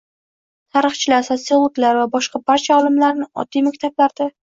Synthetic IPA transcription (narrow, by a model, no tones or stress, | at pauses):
t̪ʰaɾɨχt͡ʃʰɪlaɾsot̪siolˠoɡlaɾvabɒʃqɑbaɾt͡ʃʰaɒlˠɪmlaɾnɪɒ̰d̪ijmakʲt̪ʰablaɾd̪a